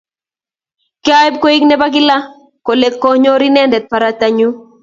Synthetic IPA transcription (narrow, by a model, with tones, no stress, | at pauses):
ka˦ɛ˦b̚ko˦i˦knɛ˦ba˦ɡɪ˦la˦ | ko˨le˦kːo˦ɲo˦ɾi˦nɛ˦ndɛ˨t̪̚pa˨ɾa˨t̪a˨ɲu˦